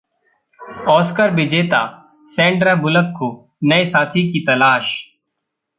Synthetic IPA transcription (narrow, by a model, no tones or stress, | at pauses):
ɔːskəɾʋɪd͡ʒeːt̪a̰ː | sɛ̃ːɳɖɾabʊləkːo | nɐesaːt̪ʰikit̪ɐlaːʃ